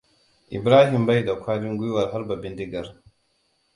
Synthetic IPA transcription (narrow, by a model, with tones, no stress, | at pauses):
ʔḭ˨bɾa˦ɦi˨mba˦ji˦˨da˨kʷʰa˦ɾi˦ŋɡʷu˦wa˨ɾɦa˦ɾba˨bi˦ndi˦ɡa˨ɾ